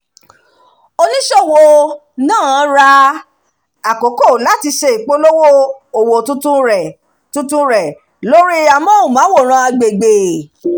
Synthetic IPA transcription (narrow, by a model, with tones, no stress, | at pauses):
o˧nĩ˦ʃɔ˦˨wo˧ | nãː˦˨˦ɾa˦ | a˨ko˨˦ko˦˨la˨˦ti˧ʃe˧i˨k͡po˦lo˦wo˦o˨wo˨tũ˦tũ˦ɾɛ˨ | tũ˦tũ˦ɾɛ˨ | lo˦ɾi˦a˨mɔ̃˦o˨mã˨˦wo˦˨ɾ̃ã˧˦a˧ɡ͡be˨ɡ͡be˨